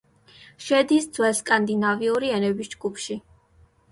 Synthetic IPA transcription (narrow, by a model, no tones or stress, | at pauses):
ʃɛd̪isd̪z̥wɛlskʼand̪inaviuɾiɛnɛbisd͡ʒɡupʰʃi